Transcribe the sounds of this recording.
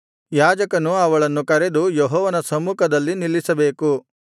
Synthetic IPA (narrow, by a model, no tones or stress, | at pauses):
jaːd͡ʒɐkɐnuɐʋɐɭɐnːukɐɾed̪ujeɦɔːʋɐnɐsɐmuːkʰɐd̪ɐlːinilːisɐbe̞ːku